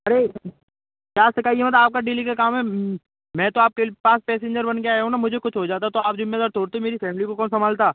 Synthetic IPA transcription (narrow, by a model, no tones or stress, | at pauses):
ɐɾeː | kjaːsɐkaːijemɐt̪̬aːp̚kaɖiːlikakaːmɦɛ | mɛ̃ːt̪oaːp̚kepaːspɛːsẽːɲd͡ʒəɾbɐnɡəjaɦɛũnamʊd͡ʒʱekʊt͡ʃʰɦod͡ʒaːt̪̬aɛt̪oaːp̚d͡ʒʊmmeːd̪aːɾt̪oːɽt̪eɛmeːɾifɛːmlikokɔːnsɐmaːlt̪aː